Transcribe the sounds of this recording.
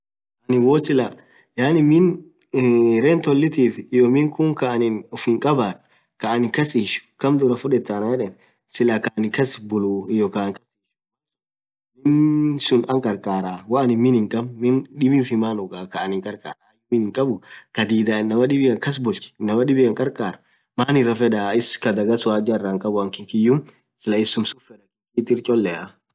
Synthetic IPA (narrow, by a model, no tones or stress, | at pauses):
kanɪwɔːsɪla | jaːnɪmɪn | ɾɛnt̪ɔlːɪt̪iːfɪjɔmɪŋkʊŋkaɐnɪnʊfhɪŋkʼɐbaːᶑ | kaʔːnɪkɐsiːʃʊ̥kɐmd̪ʊɾɐfʊᶑɛt̪ːanɐjɛᶑɛn | sɪlakaʔnɪkɐsbʊluɪjɔkaŋkɐsiʃ | mɪnsʊnɐŋkʼɐɾkʼaːɾawaːnɪmːɪnɪŋkʼɐbmɪnᶑɪbɪnfɪmanʊɡakɐːnɪŋkʼɐɾkʼa̰ːɾajmɪnɪŋkʼɐbʊkɐd̪iːd̪aːɪnːɐmɐᶑɪbɪɐŋkɐs̬bʊlt͡ʃɪ̥nːɐmɐɗɪbɪɐŋkʼɐɾkʼaːɾɐ | maːnɪrːɐfɛᶑaɪskɐd̪ɐɡɐsʊwaːd͡ʒɐrːaŋkʼɐbʊɐŋkɪŋkɪjʊm | sɪlɐɪsːʊmsʊfɛᶑɐkɪit̪ːɪɾt͡ʃʼɔlːɛʔɐ